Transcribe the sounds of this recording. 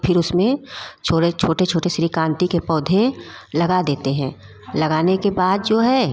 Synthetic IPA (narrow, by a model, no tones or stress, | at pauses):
pʰɪɾʊsmẽt͡ʃʰoːet͡ʃʰoːʈet͡ʃʰoːʈesɾikãːnt̪ikepɔːd̪ʱelɐɡad̪eːt̪eɦɛ̃ː | lɐɡaːnekebaːd̪̚d͡ʒoːɦɛː